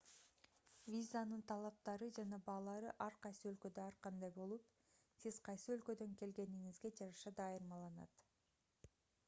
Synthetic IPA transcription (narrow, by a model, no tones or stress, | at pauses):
vʲizanɯnt̪ʰɑlˠɑp̚t̪ɑɾɯd͡ʒɑnɑbɑːlˠɑɾɯʔɑɾqɑjsɯø̞lkø̞d̪øɑɾqɑnd̪ɑjbo̞lˠup̚ | sizqʰɑjsɯølkø̞d̪ø̞ŋke̞lɡe̞niŋizɡe̞d͡ʒɑɾɑʃɑd̪ɑjɯɾmɑlˠɑnɑ̰t̪